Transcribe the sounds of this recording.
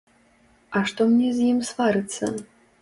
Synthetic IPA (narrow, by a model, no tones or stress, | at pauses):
ɐʂt̪ɔmnʲɛzʲjimsvaɾɨt̪sːɐ̰